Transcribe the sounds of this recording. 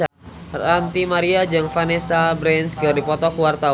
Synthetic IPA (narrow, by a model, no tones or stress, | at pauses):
rant̪imaɾiad͡ʒaŋfanesabɾɛnskɨrdipɔt̪ɔkuwart̪a